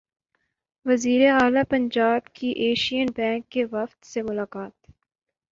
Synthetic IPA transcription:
ʋɐziːɾeaːlapɐ̃ɲd͡ʒaːbkiʔeːʃijənbɛ̃ːŋkːeʋɐft̪semʊlaːkaːt̪

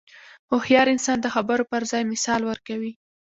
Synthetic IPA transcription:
ohjɑɾɪnsɑnd̪əxabəɾopəɾzɑjmɪsɑlwəɾkawi

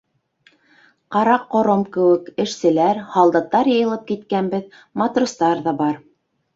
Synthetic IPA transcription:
qɑɾɑqːŏɾomkɘ̆wɘkɘ̆ʃsɘ̆læɾhɑlˠd̪ɑt̪ːɑɾjɤ̆jɤ̆lˠɤp̚kit̪kænbɘð | mɑt̪rust̪ɑɾðɑbɑɾ

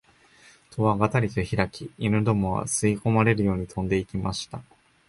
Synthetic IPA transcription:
t̪ʰo̞βaɡat̪aɾʲit̪oçiɾakʲiinɯ̟d̪o̞mo̞βa̰sɨiko̞maɾe̞ɾɯ̟jo̞ːɲ̟it̪ʰõ̞nd̪e̞ikʲimaɕi̥t̪a

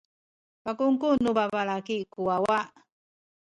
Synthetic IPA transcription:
pakuŋkunubabalakikuwawa

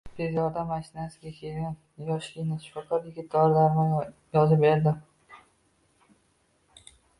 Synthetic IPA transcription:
b̥ʰeɾjɒɾd̪amːaʃɪnasɪɡʲakʲʰe̞lɡʲan | jɒʃlʲɪnɪʃʊ̥fɒkaɾjɪɡʲɪt̪̚d̪ɒɾlaɾnɪjɒzɪpbeɾd̪ɪm

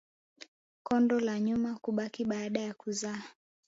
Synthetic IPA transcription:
kɔndɔlaɲumakuɓakiɓaːɗajakuzaː

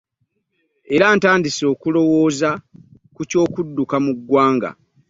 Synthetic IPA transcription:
e̞ɾaːntaːndiso̞ːkulo̞wo̞ːzakuco̞ːkudːukamuɡwaːŋɡa̰

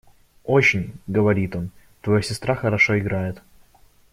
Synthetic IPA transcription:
ot͡ɕɪnʲɡəvɐɾʲit̪o̞n | t̪vɐjosʲɪst̪ɾaxəɾɐʂoɪɡɾajɪt̪

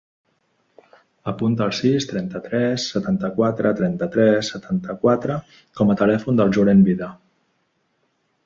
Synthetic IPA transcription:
əpunt̪əːlˠsist̪ɾɛnt̪ət̪ɾɛsːət̪ant̪əkwat̪ɾət̪ɾɛnt̪ət̪ɾɛsːət̪ʰant̪əkwat̪ɾə | kɔmət̪əlɛfund̪əlˠʒuɾɛmbiðə

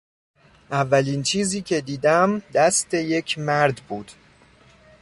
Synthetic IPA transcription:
ʔævːæliːnt͡ʃʰiːziːcʰe̞d̪iːd̪æmd̪æst̪ʰe̞je̞cʰmæɾd̪buːd̪̥

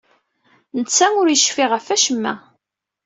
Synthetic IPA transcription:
nət͡sːæmʊɾjəʃfiʁəfæʃəmːæ

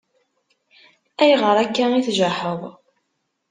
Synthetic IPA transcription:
æjʁəɾˤækːæiθʒaħəðˤ

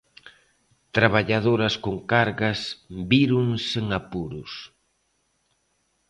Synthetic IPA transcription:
t̪ɾaβaʎaðoɾɐskoŋkaɾɣɐsbiɾuŋseŋapuɾʊs

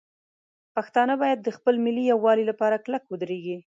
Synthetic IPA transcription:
paxt̪ɑnəbɑjad̪̚ːəxpəlmɪlijawːɑlilapɑɾaklakwəd̪ɾeɡi

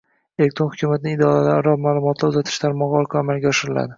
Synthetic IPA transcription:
elek̚t̪ʰɾohʊ̥kʰʲumat̪ɪnɪɪd̪ɒalaɾɾɒmaːlˠʊmɒt̪ʰlaʊzat̪ʰɪ̥ʃt̪ʰaɾmɒʁɑɒlˠkʰɒamalɡʲaɒʃɪɾɪla̰d̪ɪ

